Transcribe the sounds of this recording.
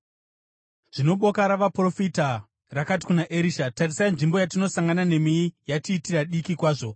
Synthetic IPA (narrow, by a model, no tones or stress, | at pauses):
ʐ̥ino̞ɓo̞kaɾaʋapro̞fita | rakat̬i̥kunaʔeɾiːʃatarisainʐimbo̞jatino̞saŋɡanane̞miijatiːtiraɗikikwaːʐo̞